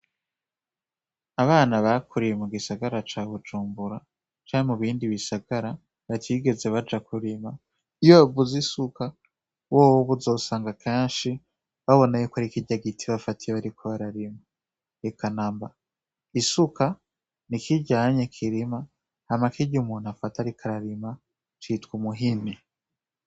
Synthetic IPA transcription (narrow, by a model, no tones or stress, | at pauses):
aβaːnaβakʰuɾijemuɡisaɡaɾat͡ʃaːβud͡ʒuːmbuɾa | t͡ʃaːɾimuβiːndiβisaɡ̥aɾa | βatʰiɡe̞ze̞βad͡ʒakuɾima | ijoavuzisuka | woːwoβuzo̞ːsaːŋɡakʰeːnʃi | βaβo̞najukaɾikiɟaɡitʰiβafatijeβaɾikʰoβaɾaɾima | ekanaːmba | isuka | nikiɟaːɲekʰiɾima | hamakiɟumuːnhafataɾikʰaɾaɾima | t͡ʃitkumuɦini